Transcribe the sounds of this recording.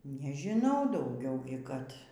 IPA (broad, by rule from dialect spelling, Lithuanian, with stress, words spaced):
nʲɛʒʲɪˈnɐʊ dɐʊˈɡʲɛʊ kɐt